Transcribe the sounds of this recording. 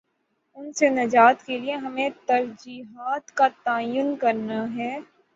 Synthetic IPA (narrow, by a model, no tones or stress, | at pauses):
ʊnsenɐd͡ʒaːt̪kelieɦɐmẽt̪ɐɾd͡ʒiːɦaːt̪kat̪aːjʊnkɐɾnaɦɛː